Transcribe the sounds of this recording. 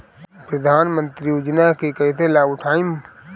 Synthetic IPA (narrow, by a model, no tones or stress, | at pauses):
pɾəd̪ʱaːnmə̃nt̪ɾiud͡ʒnakekɐɦit̪ʰelaːɡʊʈʰaːɪm